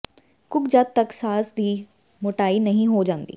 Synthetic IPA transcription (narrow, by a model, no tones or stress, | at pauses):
kʊkd͡ʒaːt̪̚ːɐksaːsd̪iː | mʊʈaːinɐɦĩɦoːd͡ʒãːnd̪ḭː